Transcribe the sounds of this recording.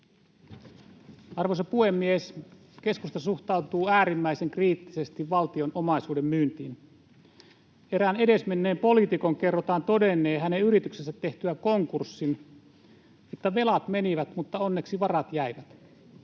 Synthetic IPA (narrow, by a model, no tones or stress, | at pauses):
ɑrʋosɑpuhe̞mːies | ke̞skust̪ɑsuht̪ɑwt̪uːæːɾimːæise̞ŋkriːt̪ːise̞st̪iʋʋɑlt̪io̞nʔo̞mɑisuːde̞mmyːnt̪iːn | e̞ɾæːne̞de̞smenːe̞ːmpo̞lit̪iko̞ŋke̞rːot̪ɑːnt̪o̞denːe̞ːɦæneyɾit̪yksesæt̪ːe̞ht̪yæko̞ŋkursːin | et̪ːæʋe̞lɑt̪me̞niʋæt̪mut̪ːɑo̞nːeksiʋɑrɑt̪jæiʋæt̪